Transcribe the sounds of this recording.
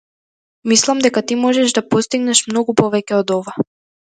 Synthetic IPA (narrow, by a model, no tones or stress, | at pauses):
mislˠamd̪ɛkat̪imɔʒɛʒd̪apɔst̪iɡnɛʃmnɔɡupɔvɛcʲɛɔd̪ɔva